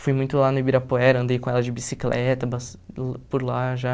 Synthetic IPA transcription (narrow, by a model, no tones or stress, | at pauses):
fujmũj̃t̪ʊlanʊbiɾapoɛɾɐɐ̃nd̪ejkõɛlɐd͡ʒɪbisiklʔɛt̪ɐbaspʊɾlaʒa